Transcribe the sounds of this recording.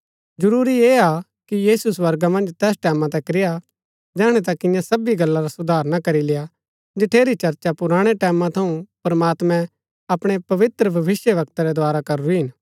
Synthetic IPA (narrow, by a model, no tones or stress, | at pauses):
d͡ʒɐɾuːɾieːa | kijiːsuswɐɾɡamɐ̃nd͡ʒt̪ɛːsʈɛːmãt̪̬ɛ̃kɾɪja | d͡ʒɛːɽ̃et̪akɪ̃jãsɐbiɡɐlːaɾasʊd̪ʱaːɾnakɐɾilɪja | d͡ʒɪʈʰeːɾit͡ʃɐɾt͡ʃapʊɾaːɽ̃eʈɛːmãt̪ʰɐũpɾɐmaːt̪mɛ̃ | ɐpɽ̃epɐʋɪt̪ɾəbʱɐʋɪsjəʋɐkt̪aɾɛd̪aːɾakɐɾɾiɦɪn